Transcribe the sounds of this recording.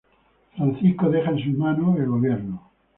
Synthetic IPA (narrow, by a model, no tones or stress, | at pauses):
fɾanθiskoðexaens̬umanoelɣoβjeɾno